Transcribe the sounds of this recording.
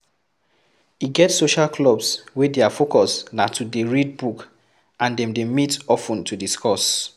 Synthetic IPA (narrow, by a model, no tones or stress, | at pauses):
iɡɛtsoʃalkʰlɔbswɛdeafokɔsnatʰudeɹid̚buk | ʔãndɛ̃mdemitɔfũntʰudiskɔs